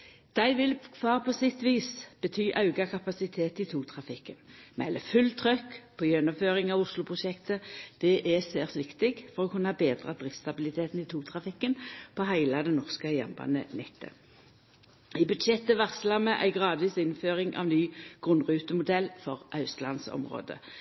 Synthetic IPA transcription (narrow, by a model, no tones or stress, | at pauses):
d̪̥æɪʋɪlkʰʋɑːʁpʰɔsɪt̪ʋiːsb̥ət̪ʰyːʔɑʉɡɑkʰɑpɑsɪt̪ʰeːt̪ɪt̪ʰuːt̪ʰʁɑfɪkːənmɛ̰lːəfʉlt̪ʰʁœkːpʰɔjɛnʊmføːʁɪŋɑʋʊslʊpʰʁʊʃɛkt̪əd̪̥ɛʔɛseːʁsʋɪkt̪ɪɡfɔʁɔkʰʉnəhɑːbeːd̪ʁɑd̪ʁɪft̪st̪ɑbɪlɪt̪ʰeːt̪n̩ɪt̪ʰuːt̪ʰʁɑfɪkːənpʰɔɦæɪlɑd̪ɛnɔʁskəjɛ̰mbɑ̰nə̰nɛt̪ʰːə̰ | ɪbʉd̪ʃɛt̪ːəʋæʁsəlɑməʔæ̰ɪɡʁɑːd̪ʋiːsɪnføːʁɪŋʔɑ̰ʋnyːɡ̥ʁʉnːʁʉːt̪əmʊd̪ɛlfɔʁʔɑʉslɑ̰nsɔ̰mʁo̰ːd̪ə̰